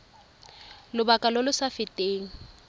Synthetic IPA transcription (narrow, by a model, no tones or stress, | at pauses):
lʊbakʼalolʊsafɪtʼeːŋ̩